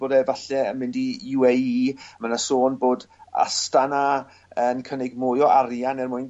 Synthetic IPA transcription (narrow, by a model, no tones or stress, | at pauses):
boːdɛvaɬɛənmɪndijuɛjiːmanasoːnboːd | a̰stana | ənkʰənɛɡmʊːjɔʔaɾjanɛrmʊjn